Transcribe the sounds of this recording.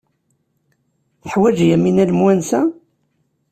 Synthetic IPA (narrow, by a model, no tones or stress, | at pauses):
θəħwæd͡ʒjæminælmwænsæ